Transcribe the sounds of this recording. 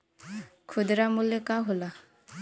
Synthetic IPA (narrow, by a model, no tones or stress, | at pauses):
kʰud̪ɾamulekaɦola